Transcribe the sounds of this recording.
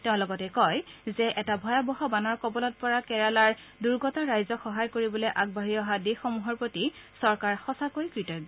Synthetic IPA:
tɛʊ̃lɔɡɔtɛkɔjzɛʔɛtabʱɔjabɔɦɔbanɔɹkɔbɔlɔt̚pɔɹakɛɹalaɹ | duɹɡɔtaɹajzɔxɔɦajkoɹibɔlojʔaɡ̚baɹiɔɦadixɔmuɦɔɹpɹotisɔɹkaɹxɔsakojkɹitɔjɡ

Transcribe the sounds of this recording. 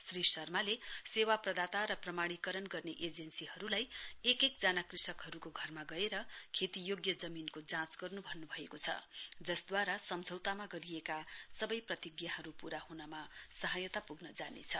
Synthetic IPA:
srisʌrmalesewaprʌd̪at̪aɾʌprʌmaɽ̃ikʌɾʌnɡʌrneʔed͡zensiɦʌɾulajekekd͡zanakrisʌkɦʌɾukoɡʱʌrmaɡʌeɾʌkʰet̪ijoɡjʌd͡zʌminkod͡zãt͡sɡʌrnubʱʌnːubʱʌekot͡sʰʌ̰d͡zʌsd̪waɾasʌmd͡zʱʌwt̪amaɡʌɾijekasʌbʌjprʌt̪iɡjaɦʌɾupuɾahunamasʌɦajʌt̪apuɡnʌd͡zanḛt͡sʰʌ

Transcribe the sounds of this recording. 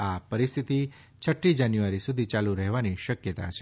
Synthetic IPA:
apəɾist̪ʰit̪i | t͡ʃʰəʈːid͡ʒanjuʋaɾisud̪ʱit͡ʃaluɾəɦʋaniʃəkjət̪a̰t͡ʃʰe

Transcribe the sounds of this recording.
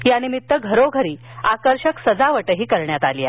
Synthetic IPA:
janimit̪ːəɡʱəɾoɡʱəɾiː | akəɾɕəksəd͡zaʋəʈəɦiːkəɾɳjat̪alija̰

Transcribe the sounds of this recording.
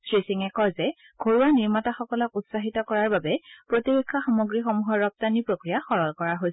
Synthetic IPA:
sɹisiŋɛkɔzɛ | ɡ̥ʱoɹuaniɹmataxɔkɔlɔkutsaɦitɔkɔɹaɹbabɛpɹotibekʰːaxamoɡɹixomuɦɔɹːɔp̚tanipɹokɹijaxɔɹɔlkɔɹaɦojsɛ

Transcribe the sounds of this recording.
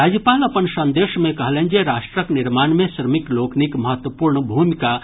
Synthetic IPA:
aːd͡ʒəpaːlɐpənsɐ̃nd̪eːʃmẽkɐɦlẽnd͡ʒeɾaːʃʈɾəknɪɾmaːnmẽʃɾəmikloːkʰnikmɐɦət̪wəpuːɾɳəbʱuːmika

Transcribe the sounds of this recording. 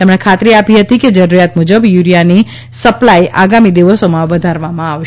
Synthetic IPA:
t̪emɳ̃ekʰat̪ɾiapiɦət̪iked͡ʒəɾuɾijat̪mud͡ʒəbjuɾijani | səplajʔaɡamid̪iʋəsomãʋəd̪ʱaɾʋamãaʋʃ

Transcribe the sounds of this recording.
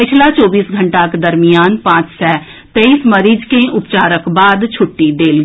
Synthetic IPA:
pɪt͡ʃʰlat͡ʃɔːbiːsɡʱəɳʈaked̪əɾmɪjaːnpãːt͡ʃsɛ | t̪eːiːsməɾiːd͡ʒkeʔʊpt͡ʃaːɾəkbaːd̪t͡ʃʰʊʈːid̪eːlɡi

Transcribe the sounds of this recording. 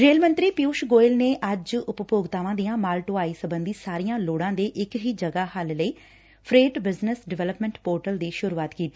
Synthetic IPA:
ɾeːlmə̃nt̪ɾiːpɪjuːʃɡoːɪlneːʔəd͡ʒʊppoːɡt̪aːʋãːd̪ijãːmaːlʈʊaːiːsəbənd̪iːsaːɾijãːloːɽãːd̪eːʔɪkɦiːd͡ʒəɡaːhəlləiː | pʰɾeːʈbɪznəsɖɪʋɛːləpmɛ̃ɳʈpoːɾʈəld̪iːʃʊɾuːaːt̪kiːt̪i̥ː

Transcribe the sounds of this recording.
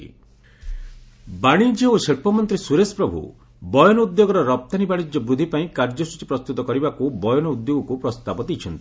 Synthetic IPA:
baɽ̃id͡ʒeoseɭpɔmɔnt̪ɾisuɾespɾɔbʱṵ | bɔjɔnɔud̪joɡɔɾɔɾɔp̚t̪anibaɽ̃id͡ʒɔbɾud̪ʱipaĩkaɾd͡ʒɔsut͡ʃipɾɔst̪ut̪ɔkɔɾibakubɔjɔnɔud̪joɡɔkupɾɔst̪abɔd̪et͡ʃʰɔnt̪i̥

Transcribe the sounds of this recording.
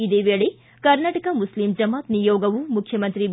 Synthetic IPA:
id̪eːʋeːɭe | kɐɾnaːʈɐkɐmuslimd͡ʒɐmaːt̪nijoːɡɐʋumukʰjɐmɐnt̪ɾi

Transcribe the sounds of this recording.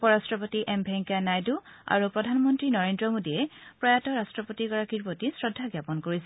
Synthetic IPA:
pɔɹastɹɔpotiʔɛmbʱɛŋkanajdua̰ɹupɹɔdʱanmɔntɹinɔɹendɹɔmodiɛpɹɔjatɔɹastɹɔpotiɡɔɹakiɹpotisɹɔdʱːaɡjapɔnkoɹisɛ

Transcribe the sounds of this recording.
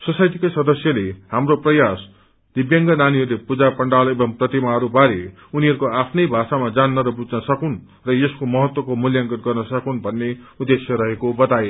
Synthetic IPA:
sʌsajt̪ikʌjsʌd̪ʌsjʌlehamroprʌjas | d̪̥ibjʌŋɡʌnaniɦʌrlepud͡zapʌɳɖalebʌmprʌt̪imaɦʌɾubaɾe | uniɦʌɾukoapʰnʌjbʱasamad͡zanːʌɾʌbud͡znʌsʌkun | rʌjeskomʌɦʌt̪wʌkomuljaŋkʌt̪ɡʌrnʌsʌkunbʱʌnːeud̪ːesʰjʌɾʌɦekobʌt̪aje

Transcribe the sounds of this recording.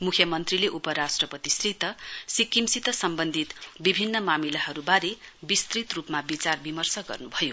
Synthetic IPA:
mukʰjʌmʌnt̪rileʔupʌɾasʈrʌpʌt̪isrit̪ʌsikːimsit̪ʌsʌmbʌnd̪ʱit̪bibʱinːʌmamilaɦʌɾubaɾebist̪rit̪rupmabit͡sarbimʌrsʌɡʌ̰rnubʱʌjo

